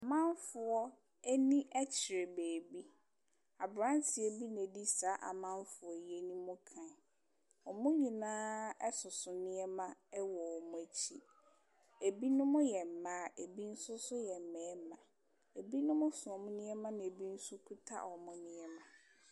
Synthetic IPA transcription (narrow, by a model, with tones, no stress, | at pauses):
a˨mã˦n˦fʊ˨ɔ˦ | æ˦nĩ˦ʔɛ˦t͡ɕʰɪ˨ɾɛ˨beː˨bi˦ | a˨bɾã˦ntʰɪ˨ɛ˨bi˦nɛ̃˨di˦sa˨˦ʔa̰˨mã˦n˦fʊ˨ɔ˨je˦nĩ˦mʊ̃˦kʰã˨n˨ | ɔ˨mʊ̃˦ɲĩ˨nãː˦ɛ˦sʊ˨sʊ˨nɪ̃˦ɛ˦mã˦ɛ˦wɔ˨wɔ˨mʊ̃˦e˨t͡ɕʰi˦ | e˨bi˦nʊ̃˦mʊ̃˦jɛ˨m̩˨mã˦˨˦e˨bi˦n̩˦sʊ˦sʊ˦jɛ˨m˨mɛ˨˦mã˨ | e˨bi˦nʊ̃˦mʊ̃˦sʊ˨ɔ˨mʊ̃˦nɪ̃˦ɛ˦mã˦nã˨e˨bi˦n̩˦sʊ˦kʰu˦tʰa̰˦ɔ˨mʊ̃˦nɪ̃˦ɛ˦mã˨